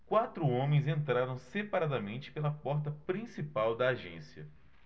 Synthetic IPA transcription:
kwat̪ɾʊõmẽj̃zẽnt̪ɾaɾɐ̃w̃sepaɾad̪ɐmẽnt͡ʃɪ̥pelɐpɔɾt̪ɐpɾĩsipawd̪ɐːʒḛ̃siɐ̰

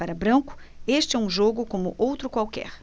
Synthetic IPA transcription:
paɾɐbɾɐ̃kʊ̥eʃt͡ʃɪɛũʒoɡʊkõmʊʔowt̪ɾʊkwawkɛ̰ɾ

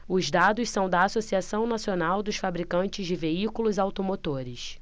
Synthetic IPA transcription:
ʊzd̪ad̪ʊssɐ̃w̃d̪ɐːsosiasɐ̃w̃nasionawd̪ʊsfabɾikɐ̃nt͡ʃɪzd͡ʒɪveikulʊzawt̪omot̪oɾɪs

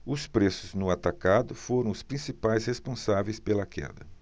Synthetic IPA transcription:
ʊspɾesʊznʊat̪akad̪ʊfoɾɐ̃w̃ʊspɾĩsipajshespõsavejspelɐkɛ̰d̪ɐ

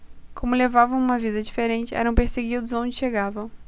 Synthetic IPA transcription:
kõmʊlevavɐ̃w̃ũmɐvid̪ɐd͡ʒifeɾẽnt͡ʃɪʔɛ̰ɾɐ̃w̃peɾseɡid̪ʊzõd͡ʒɪʃeɡavɐ̃w̃

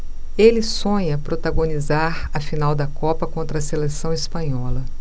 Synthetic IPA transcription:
elɪsõɲɐpɾot̪aɡõnizaɾɐfinawd̪ɐkɔpɐkõnt̪ɾɐselesɐ̃w̃ɪspɐ̃ɲɔlɐ

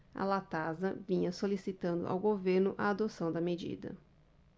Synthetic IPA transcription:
ɐ̰lat̪azɐvĩɲɐsolisit̪ɐ̃nd̪ʊ̰ʔa̰wɡoveɾnʊʔɐad̪osɐ̃w̃d̪ɐmed͡ʒḭd̪ɐ̰

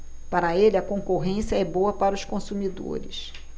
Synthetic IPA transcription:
paɾɐelɪɐkõŋkoɦẽsiɐɛbowɐpaɾɐʊskõsumid̪o̰ɾɪs

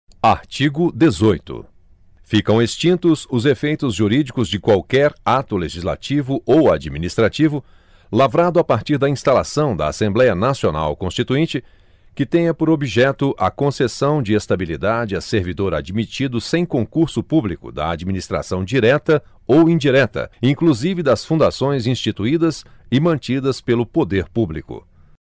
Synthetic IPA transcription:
aɾt͡ʃiɡʊd̪ezojt̪ʊ̰ | fikɐ̃w̃est͡ʃĩnt̪ʊzʊzefejt̪ʊzʒuɾid͡ʒikʊzd͡ʒɪkwawkɛɾat̪ʊleʒizla̰t͡ʃivʊʔowad͡ʒiminist̪ɾat͡ʃivʊ | lavɾad̪ʊapaɾt͡ʃiɾd̪ɐĩst̪alasɐ̃w̃d̪ɐ̰a̰sẽmblɛjɐnasiona̰wkõst͡ʃit̪uẽnt͡ʃɪ | kɪt̪ẽj̃ɐpoɾobiʒɛt̪ʊʔɐkõsesɐ̃w̃d͡ʒɪest̪abilid̪ad͡ʒɪɐseɾvid̪oɾa̰d͡ʒmit͡ʃid̪ʊsẽj̃kõŋkuɾsʊpublikʊ̰d̪ɐ̰a̰d͡ʒiminist̪ɾa̰sɐ̃w̃d͡ʒiɾɛt̪ɐ | owĩd͡ʒiɾɛt̪ɐ̰ĩŋkluzivɪd̪ɐsfũd̪asõj̃zĩst͡ʃit̪uid̪ɐsɪmɐ̃nt͡ʃid̪ɐspelʊpod̪eɾpublikʊ̰

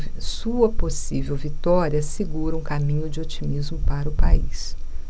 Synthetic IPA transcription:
suɐposivewvit̪ɔɾiɐseɡuɾɐũkamĩɲʊd͡ʒɪot͡ʃimizmʊpaɾɐʊpais

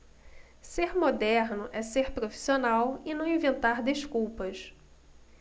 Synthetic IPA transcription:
seɾmod̪ɛɾnʊʔɛseɾpɾofi̥sionawɪnɐ̃w̃ĩvẽnt̪aɾd̪eʃkuwpɐʃ

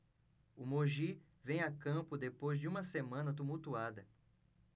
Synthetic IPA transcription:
ʊmoʒi | vẽj̃akɐ̃pʊd̪epojzd͡ʒɪũmɐsemɐ̃nɐt̪̬umuwt̪uad̪ɐ

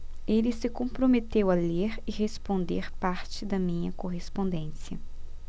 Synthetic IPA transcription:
elɪsɪkõpɾomet̪ewɐleɾɪhespõnd̪eɾpaɾt͡ʃɪd̪ɐmĩɲɐkoɦespõnd̪ẽsiɐ̰

